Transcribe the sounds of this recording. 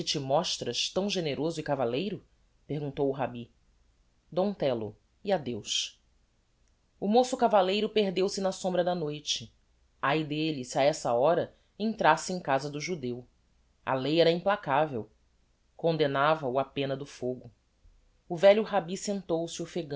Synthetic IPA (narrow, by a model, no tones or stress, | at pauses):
kɪt͡ʃimɔʃt̪ɾɐʃt̪ɐ̃w̃ʒeneɾozʊɪkavalejɾʊ | peɦɡũnt̪owuɦabi | d̪õt̪ɛlʊ̰ | iad̪ewʃ | ʊmosʊkavalejɾʊpeɦd̪ewsɪnɐsõmbɾɐd̪ɐnojt͡ʃɪ̥ | ajd̪elisiaɛsɐɔɾɐ | ẽnt̪ɾasɪẽj̃kazɐd̪ʊʒud̪ew | ɐ̰lejɛɾɐĩplakavḛw | kõnd̪enavɐʊɐpẽnɐd̪ʊfoɡʊ | ʊvɛʎʊɦabisẽnt̪owsɪʊfeɡɐ̃